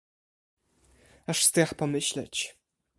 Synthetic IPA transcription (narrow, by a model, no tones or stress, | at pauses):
aʂst̪ɛxpɔmɘɕlɛ̰t͡ɕ